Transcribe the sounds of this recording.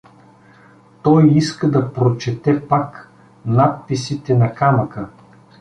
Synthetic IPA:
t̪ɔjiskəd̪ɐpɾot͡ʃɛt̪ɛpak | nat̪̚pisit̪ɛnɐkamɐkə

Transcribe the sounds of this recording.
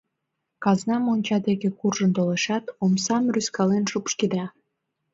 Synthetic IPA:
kɑznɑmonʲt͡ɕɑd̪eɣekurʒənt̪oleʃɑt̪omsɑmryskɑlenʃupʃkid̪ɑ

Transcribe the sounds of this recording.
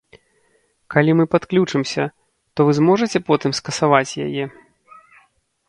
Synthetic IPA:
kalʲimɨpat̪klʲut͡ʂɨmsʲɐ | t̪ɔvɨzmɔʐɐt͡sʲɛpɔt̪ɨmskɐsavat͡sʲja̰jɛ

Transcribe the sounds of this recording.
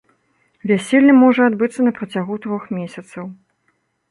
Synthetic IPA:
vʲasʲelʲnʲɐmɔʐɐad̪bɨt̪sːɐnɐpɾɐt͡sʲaɣut̪ɾɔxmʲesʲɐt̪sɐw

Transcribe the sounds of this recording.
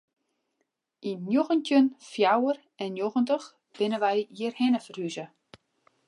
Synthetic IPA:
ʔinjoɣəntjənfjawər | ɛnjoɣəntəx | b̥ɪnəʋɛjiərhɛnəfəryzə

